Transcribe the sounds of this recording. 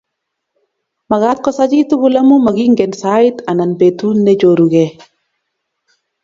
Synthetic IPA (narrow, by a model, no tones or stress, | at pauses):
maɡat̪̚kɔsad͡ʒituɡulamumaɡiŋɡɛnsaitananbetunːed͡ʒoɾuɡɛ